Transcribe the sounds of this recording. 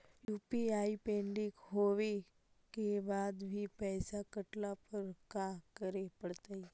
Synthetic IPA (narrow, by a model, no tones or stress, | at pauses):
jupiaipeɳɖikɦoʋe | kebad̪bʱiːpəsakəʈlapəɾkakəɾepəɽt̪ai